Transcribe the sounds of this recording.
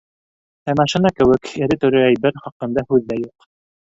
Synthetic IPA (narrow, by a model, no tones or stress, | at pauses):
æmɑʃɤ̆nɑkɘ̆wɘkɘ̆ɾɘt̪ɵ̆ɾɘæjbɘɾχɑqɤ̆nd̪ɑhʉðːæjuq